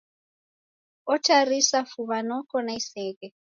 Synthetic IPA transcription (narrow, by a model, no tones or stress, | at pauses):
ɔtʰarisafuβanɔkɔnaisɛːkɛ